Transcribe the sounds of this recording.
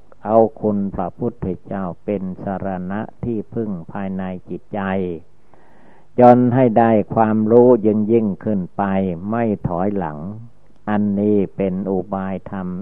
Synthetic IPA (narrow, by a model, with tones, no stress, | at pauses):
ʔa˧wkʰu˧npʰɾa˧pʰu˦˥˩t̪̚ʰːe˧t͡ɕaː˥˩wpe˧nsa˧ɾa˧na˦˥ʔt̪ʰiː˥˩pʰɯ˥˩ŋpʰaː˧jna˧jt͡ɕi˨˩t̪̚t͡ɕa˧j | jɔː˧nɦa˥˩jda˥˩jkʰwaː˧mɾuː˦˥jɯ˧ŋji˥˩ŋkʰɯ˥˩npa˧jma˥˩jt̪ʰɔː˩˦jla̰˩˦ŋ | ʔa˧nːiː˦˥˩pe˧nʔu˧baː˧jt̪ʰa˧m